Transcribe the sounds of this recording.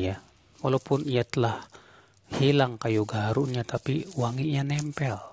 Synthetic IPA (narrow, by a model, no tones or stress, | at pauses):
ja | walaupʊnijat̪əlah | hilaŋkajuɡaɾuɲat̪apiwaŋiʔɲanɛmpɛl